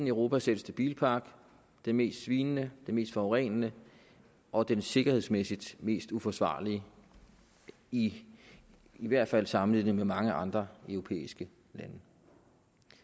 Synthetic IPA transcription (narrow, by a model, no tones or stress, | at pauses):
nəʊʁo̝ːpʰæsed̥əsd̥əb̥ḭːlpʰɑ̈ːɡ̥ | d̥enme̝̰ːsd̥sʋiːnənəd̥e̝me̝̰ːsd̥fɒʁɛ̰nənə | ʔɒ̽d̥ense̝ɡ̥ɐhe̝̰smesid̥me̝̰ːsd̥ufɒ̽sʋɑ̰̈ːliə | i | iʋæɐ̰d̥fæl̰sɑ̈mn̩lið̰ˠnəmemɑ̈ŋəʔɑ̈nd̥ʁɐœʊʁo̝pʰḛːisɡ̥ə | lænə